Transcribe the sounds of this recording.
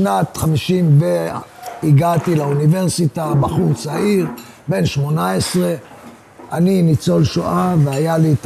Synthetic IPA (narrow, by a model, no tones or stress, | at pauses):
nat̪χamiʃimbeiɡatilaunive̞ʁsitabaχut͡saiʁ | be̞nʃmo̞naesʁe̞ | aninit͡so̞lʃoʔaveajalit